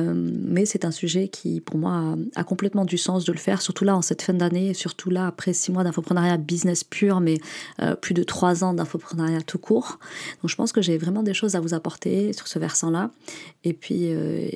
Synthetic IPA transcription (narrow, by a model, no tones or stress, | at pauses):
mmɛsɛt̪ɛ̃syʒɛkʲʰḭpuʁmwaa̰kɔ̃plɛt̪mɑ̃d̪ysɑ̃s̬d̪ələfɛ̰ʁsyʁt̪ulaɑ̃sɛt̪fɛ̃d̪aneːsyʁt̪ʰulaːpχɛsimwad̪ɛ̃t̪χəpχənaʁjabiznɛspʰyʁmɛø̰plyd̪ət̪χwazɑ̃d̪ɛ̃t̪χəpχənaʁjat̪ʰukʰuːʁd̪̥ɔ̃kʒəpɑ̰̃skəʒevʁɛmɑ̃d̪eʃozavuzapɔʁt̪esy̥ʁsəvɛʁsɑ̃laepɥḭø̰